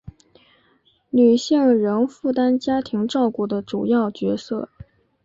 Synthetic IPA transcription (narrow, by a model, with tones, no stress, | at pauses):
ny˨˩ɕi˥˩ŋɻə˧˥nfu˥˩t̪a˥nt͡ɕja˥t̪ʰi˧˥ŋʈ͡ʂɑ˥˧ʊku˥˩d̪ə˦ʈ͡ʂu˨˩jɑ˥˩ʊt͡ɕɥɛ˧˥sɤ̰˥˩